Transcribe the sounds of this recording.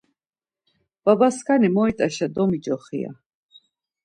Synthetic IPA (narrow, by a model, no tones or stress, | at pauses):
b̥abaskʰanimɔit̪ʼaʃad̪ɔmid͡ʒɔχḭa̰